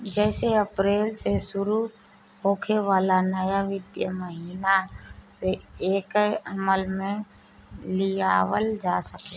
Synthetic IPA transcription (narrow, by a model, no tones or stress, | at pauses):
d͡ʒɛːseəpɾeːlsesʊɾu | ɦoːkʰeʋaːlanəjaʋɪd̪jəməɦiːnaseeːkəməlmẽ | lijaːwəld͡ʒaːsəke